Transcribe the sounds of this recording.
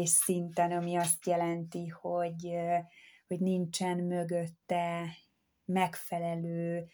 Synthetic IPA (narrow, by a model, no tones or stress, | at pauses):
ʃsint̪ɛnɒmiɒst̪jɛlɛnt̪iho̞ɟ | hoɟnint͡ʃɛnmø̞ɡøt̪ːɛ | mɛkfɛlɛløː